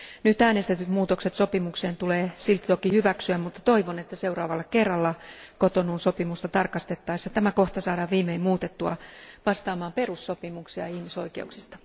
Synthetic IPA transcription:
nyt̪æːnest̪et̪yt̪muːt̪okset̪sopimukseːnt̪uleːsilt̪ːi̥t̪okihyʋæksyæmmut̪ːɑ̥t̪oiʋonet̪ːæseurɑːʋɑlːɑkerːɑlːɑkot̪onunsopimust̪ɑt̪ɑrkɑst̪et̪ːɑisɑt̪æmækoht̪ɑsɑːdɑːʋʋiːmeimmuːt̪et̪ːuɑ̰ʋɑst̪ɑːmɑːmperusːopimuksiɑ̰ihmisoikeuksist̪ɑ̥

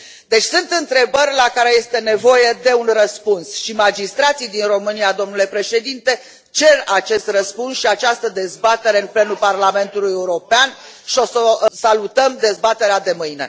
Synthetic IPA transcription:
d̪e̞t͡ʃʲsunt̪ɨnt̪ɾe̞bərʲlakaɾe̞je̞st̪e̞ne̞vo̞je̞d̪e̞unrəspunsʃimad͡ʒist̪ɾat̪sijd̪inro̞mɨniad̪o̞mnule̞pɾe̞ʃe̞d̪int̪e̞ | t͡ʃe̞rat͡ʃe̞st̪rəspunsʃiat͡ʃast̪əd̪e̞zbat̪e̞ɾe̞ɨnple̞nuparlame̞nt̪ulujeuɾo̞peanʃio̞sosalut̪əmd̪e̞zbat̪e̞ɾead̪e̞mɨjne̞̰

